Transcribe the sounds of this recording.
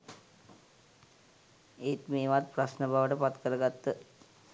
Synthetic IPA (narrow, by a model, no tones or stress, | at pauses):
et̪meːʋat̪̚pɾasnəbʱaʋəʈəpat̪kəɾəɡat̪ːə